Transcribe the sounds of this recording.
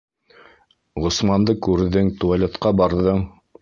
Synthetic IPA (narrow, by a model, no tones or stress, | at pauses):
ʁŏsmɑnd̪ɤkʉɾðɘŋt̪ualʲet̪qɑbɑɾðɤɴ